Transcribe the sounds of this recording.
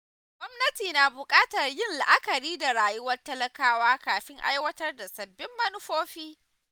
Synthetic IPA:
ɡʷɔ˦mnɐ˦tiː˨naː˨bʊ˨kʼaː˦tɐ˨rjɪ˦nla˨ʔa˦kɐ˨ɾiː˦da˨ɾaː˨jʊ˦wɐ˦rtɐ˦lɐ˦kaː˦waː˦kaː˨ɸɪ˦ŋʔa̰˦jwɐ˦tɐ˦rda˨sɐ˨bːɪ˦mːɐ˦nʊ˦ɸoː˦ɸiː˦

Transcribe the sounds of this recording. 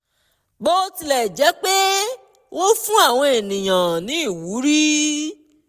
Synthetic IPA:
ɡ͡bo˦˧ti˧lɛ˨d͡ʒɛ˨˦k͡pe˦ | wo˦fũ˦a˦˨w̃ɔ̃˧e˨nĩ˨j̃ã˨nĩ˨˦i˦˨wu˨˦ɾi˦

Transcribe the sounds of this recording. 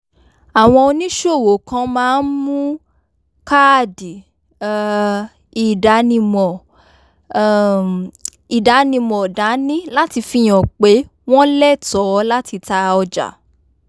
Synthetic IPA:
a˨w̃ɔ̃˧o˧nĩ˦ʃo˦˨wo˨kã˧mãː˦n̩˦mũ˦ | ka˦˨di˨ | i˨da˨˦nĩ˧mɔ̃˨ | i˨da˨˦nĩ˧mɔ˨da˨˦nĩ˦la˦ti˧fi˧˨j̃ɔ̃˨k͡pe˨˦ | w̃ɔ̃˦lɛ˦˨tɔ˨˦˧la˦ti˧ta˧ɔ˧d͡ʒa̰˨

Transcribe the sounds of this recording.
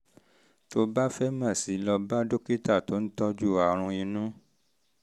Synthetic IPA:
to˧ba˦fɛ˦mã˦˨si˨˦lɔ˧ba˦do˦ke˦ta˦˨to˨˦n̩˦tɔ˦d͡ʒu˦˨a˨ɾ̃ũ˧ĩ˧nũ˦

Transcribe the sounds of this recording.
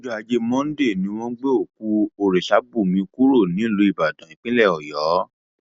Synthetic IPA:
d͡ʒa˧d͡ʒe˧˦mɔ̃˦n̩˦de˦˨nĩ˨˦w̃ɔ̃˦ɡ͡be˦o˦˨ku˧˦o˨ɾe˨ʃa˨˦bu˦˨mĩ˧ku˦ɾo˦˨nĩ˨˦˨lo˧i˨ba˨dã˨ĩ˨k͡pĩ˦lɛ˦˨ɔ˨jɔ˨˦

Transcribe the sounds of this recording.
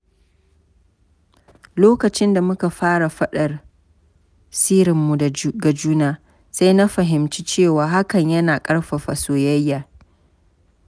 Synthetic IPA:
loː˦kɐ˨t͡ʃɪ˦nda˨mʊ˦ka˨ɸaː˦ɽa˨ɸɐ˦ɗɐ˨r | siː˦ɾɪ˨mːu˨ɡa˨d͡ʒuː˦naː˦ | sa˦jna˦ɸɐ˨ɦɪ˨mt͡ʃiː˦t͡ʃeː˦˨waː˨ɦa˦kɐ˨ɲjɐ˦naː˨kʼɐ˦ɽɸa˨ɸa˨soː˨jɐ˦jːaː˨

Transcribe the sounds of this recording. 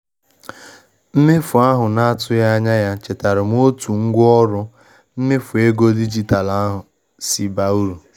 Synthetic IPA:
m̩˦mɪ˦fʊ˨a˦ɦʊ˨na˦a˦tʰʊ˦ja˦a˦ɲa˦ja˦t͡ʃe˨ta˨ɾɪ˨m˦o˦tu˨ŋ̩˦ɡʷʊ˦ɔ˦ɾʊ˦ | m̩˦mɪ˦fʊ˨e˦ɡo˦di˦d͡ʒi˦ta˨la˦a˦ɦʊ˨ | si˨ba˨u˦ɾu˨

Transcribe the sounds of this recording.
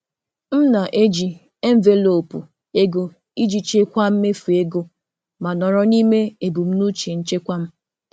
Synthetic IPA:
m̩˦na˨ʔe˦d͡ʒi˨ | e˦m̩˦˨ve˦lo˨pṵ˨ | e˦ɡo˦ | i˦d͡ʒi˨t͡ʃe˦kʷa˦m̩˦me˦fu˨e˦ɡo˦ | ma˨nɔ˨ɾɔ˦ni˦me˦e˨bu˨m̩˦nu˦t͡ʃe˨n̩˦t͡ʃe˦kʷa˦m̩˦

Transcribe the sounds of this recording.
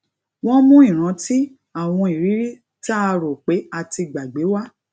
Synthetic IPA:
w̃ɔ̃˦mũ˦i˦˨ɾ̃ã˧ti˦ | a˦˨w̃ɔ̃˧i˨ɾi˨˦ɾi˦ | ta˦˧ɾo˨k͡pe˨˦a˧ti˧ɡ͡ba˨ɡ͡be˨˦wa˦

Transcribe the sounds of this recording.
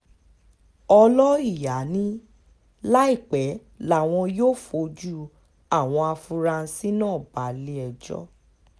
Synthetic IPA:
ɔ˧lɔ˦i˦˨ja˨˦nĩ˦ | la˦i˦˨k͡pɛ˨˦ | la˦˨w̃ɔ̃˧joː˦˨fo˧˦d͡ʒu˦ | a˦˨w̃ɔ̃˧a˧fũ˧ɾa˧si˦nãː˦˨ba˨˦le˦ɛ˧d͡ʒɔ̰˦

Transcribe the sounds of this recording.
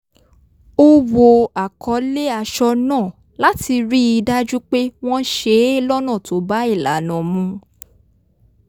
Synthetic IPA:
o˧wo˨a˨kʰɔ˨˦le˦a˨˧ʃɔ˧nãː˦˨ | la˦ti˧ɾi˦i˧da˦d͡ʒu˦k͡pe˦w̃ɔ̃˦ʃe˧˦e˦lɔ˦nã˦˨to˨˦ba˦i˦˨la̰˨˦nã˨mũ˨˧˦

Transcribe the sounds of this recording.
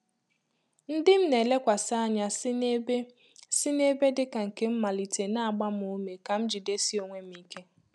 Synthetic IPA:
n̩˦dɪ˦m̩˦ne˨le˦kʷa˨sa˦ɲa˦sb | sɪ˦ne˦be˦dɪ˦ka˨ŋ̩˨ke˦m̩˦ma˨li˨te˨na˦a˨ɡ͡ba˦m˦o˦me˨ka˨m̩˦d͡ʒi˨de˦si˦o˨ŋʷe˦m̩˦i˦ke˦

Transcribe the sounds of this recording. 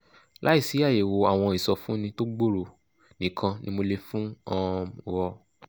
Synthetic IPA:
lʔa˨˦i˦˨si˨˦a˦˨je˨wo˨˧a˦˨w̃ɔ̃˧i˨sɔ˧fũ˦nĩ˧to˦ɡ͡bo˦˨ɾo˨ | nĩ˨kʰã˧nĩ˦mo˧le˧fũ˦ɔ̃˧˨wɔ˧

